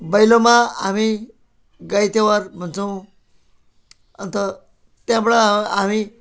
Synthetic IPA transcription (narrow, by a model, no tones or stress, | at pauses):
bəjlomaami | ɡajt̪eʋəɾm̤əɳt͡səw̃ | ə̰nt̪ə | t̪jãbɭaami